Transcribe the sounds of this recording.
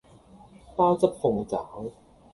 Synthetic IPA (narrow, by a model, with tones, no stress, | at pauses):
paː˥wt͡sɐ˥p̚hʊ˨˩ŋt͡saː˨˦˥w